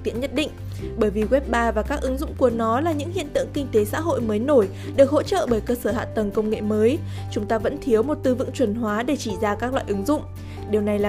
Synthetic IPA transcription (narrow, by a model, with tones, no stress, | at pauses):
t̪ḭ˧˥ənɲə˦˥t̚ɗḭ̈˧˨ŋ̟ | ɓəː˧˩jvi˨˩ɣwɛ˦˥p̚ɓaː˧vaː˨˩kaː˦˥k̚ʔɨ˨˦ŋzʊ̰˧˨ŋ͡mku˧˩ənɔ˨˦laː˨˩ɲɨ̰˧˥ŋhḭ˧˨ənt̪ɨ̰˧əŋkï˧ŋ̟t̪e˨˦sa̰ː˧˥ɦo̰˧˨jməː˨˦jno˧˩j | ɗɨ˨˩ək̚ho̰˧˥t͡ɕə̰ː˧˨ɓəː˧˩jkəː˧səː˧˩a̰ː˧˨t̪ə˨˩ŋkə˧wŋ͡mŋḛ˧˨məː˨˦j | t͡ɕʊ˨˦ŋ͡mt̪aː˧və̰˧˥nt̪ʰi˨˦əwmo˨˩t̚t̪ɨ˧vɨ̰˧˨ŋt͡ɕwə˨˩nɦwaː˨˦ɗe˧˩t͡ɕi˧˩zaː˧kaː˦˥k̚lw̰a̰ː˧˨ʔɨ˨˦ŋzʊ̰˧˨ŋ͡m | ɗi˨˩əwna˨˩jlaː˨